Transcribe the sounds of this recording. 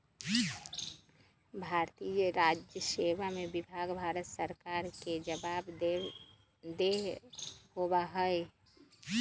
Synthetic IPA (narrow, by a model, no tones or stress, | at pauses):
bʱaɾt̪ijəɾad͡ʒjəseʋamebibʱaɡbʱaɾət̪səɾkaɾked͡ʒəbab | d̪eɦhobaɦəj